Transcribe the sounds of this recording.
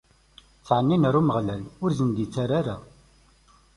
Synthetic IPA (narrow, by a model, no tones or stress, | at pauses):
t͡sːʕənːinəɾuməʁlælʊɾzənd̪it͡sːaɾaɾa